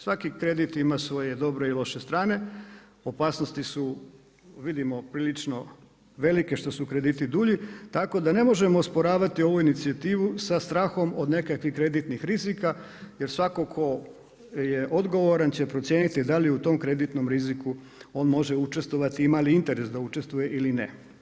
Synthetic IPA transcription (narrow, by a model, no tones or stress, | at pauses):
sʋakikɾe̞d̪it̪imasʋo̞je̞d̪o̞bɾe̞ilˠo̞ʃe̞st̪ɾaːne̞ | opaːsno̞st̪isu | ʋid̪imo̞pɾiːlit͡ʃno̞ | ʋe̞like̞ʃt̪o̞sukɾe̞d̪iːt̪id̪uʎit̪ako̞d̪ane̞mo̞ʒe̞moːspo̞ɾaːʋat̪io̞ʋuinit̪siat̪iːʋusast̪ɾaːxo̞mod̪ne̞kakʋixkɾe̞d̪it̪nixɾizika | je̞ɾsʋakokʰo̞ | je̞ʔo̞d̪ɡo̞ʋoɾant͡ɕe̞pɾo̞t̪sje̞ːnit̪id̪aliut̪o̞mkɾe̞d̪it̪no̞mɾiziku | o̞ːnmo̞ʒeut͡ʃe̞st̪ʋoʋat̪iimaliint̪e̞ɾe̞sd̪aut͡ʃe̞st̪ʋuje̞ʔilinḛ